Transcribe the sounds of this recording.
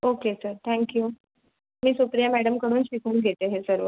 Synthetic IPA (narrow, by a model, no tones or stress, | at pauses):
okesəɾt̪ʰɛ̃ŋkju | miːsupɾijamæɽəmkəɽuːnɕikʰuːɳɡʱet̪eɦesəɾʋə